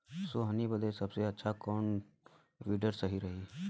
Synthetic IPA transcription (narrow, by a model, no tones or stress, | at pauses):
soɦənibəd̪esɐbseɐtːʃʰakɔːn | ʋiːɖəɾsɐɦiɾɐɦiː